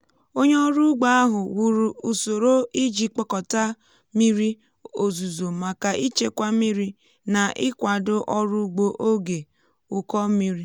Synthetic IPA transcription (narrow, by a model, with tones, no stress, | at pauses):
o˦ɲe˦ɔ˦ɾu˦ɡ͡ba˦a˦ɦʊ˨wu˦˨ɾu˨u˨so˨ɾo˦i˦d͡ʒi˨k͡pɔ˦kɔ˨ta˦ | mi˦ɾi˦ | o˨zu˨zo˨ma˨ka˨ʔi˦t͡ʃe˦kʷa˦mi˦ɾi˦ | na˨ʔɪ˦kʷa˨dʊ˦ʔɔ˦ɾu˦ɡ͡bo˦ʔo˦ɡe˨ | ʊ˨kɔ˦mi˦ɾi˦